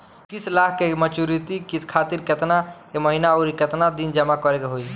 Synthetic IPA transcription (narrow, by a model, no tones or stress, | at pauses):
kisʰlakʰkemət͡ʃuɾit̪ikitkʰat̪iɾket̪na | eməɦinaɔɾiket̪nad̪ind͡ʒəmakɔɾekeɦoj